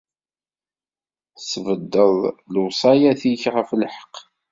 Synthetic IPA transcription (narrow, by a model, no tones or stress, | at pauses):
svəd̪ːəðˤləwsˤɑjæθiçʁəflħə̥q